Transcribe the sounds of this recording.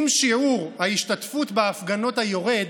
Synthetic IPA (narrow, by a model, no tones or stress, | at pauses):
mʃiʕuʁhaiʃtat̪futbeːfɡano̞thajo̞ʁe̞d